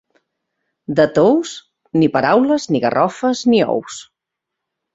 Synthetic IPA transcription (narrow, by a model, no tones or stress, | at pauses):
d̪ət̪ows | nipəɾawləzniɣə̰rʔɔfəzniɔ̰ws